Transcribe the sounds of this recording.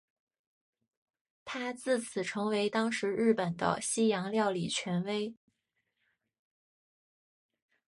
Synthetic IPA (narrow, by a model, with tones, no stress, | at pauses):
t̪ʰa˥t͡sɹ̩˥˩t͡sʰɹ̩˨˩ʈ͡ʂʰɤ˧˥ŋwe˧˥ɪt̪ɑ˥ŋʂɻ̩˧˥ɻɻ̩˥˩pə˨˩nd̪ə̰˦ɕi˥jɑ˧˥ŋljɑ˥˩ʊli˨˩t͡ɕʰɥɛ˧˥nwe˥ɪ